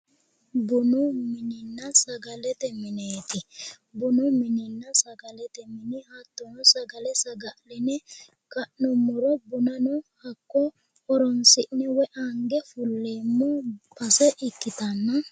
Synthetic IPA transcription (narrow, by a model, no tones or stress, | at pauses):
bʊnʊmɪnɪnːɐsɐɡɐlɛt̪ɛmɪneːt̪ɪ | bʊnʊmɪnɪnːɐsɐɡɐlɛt̪ɛmɪnɪhɐt̪ːɔnɔsɐɡɐlɛsɐɡɐlɛnɛ | kɐʔnɔmːʊɾɔbʊnɐnɔhɐkːɔ | ɔɾɔnsɪʔnɛwɛʔɐŋɡɛfʊlːeːmːɔpɐsɛʔɪkːɪt̪ɐnːɐ